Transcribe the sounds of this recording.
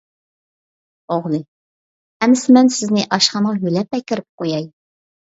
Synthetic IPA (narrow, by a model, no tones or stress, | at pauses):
oʁlˠɨ | ɛmɪsɪmɛnsɪznɪʔɑʃχɑɴʁɑɦylɛp̚ːɛkʲɪɾɪp̚qojɑj